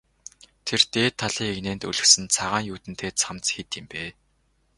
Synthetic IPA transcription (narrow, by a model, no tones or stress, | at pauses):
t̪ʰert̪eːt̪ʰːaɮiːŋeɣneːnt̪ṵɮɵ̆xsɘ̆nt͡sʰaʁaːŋjuːt̪ɘ̆n̥t̪ʰeːt͡sʰamt͡sxet̪ɪ̆mpeː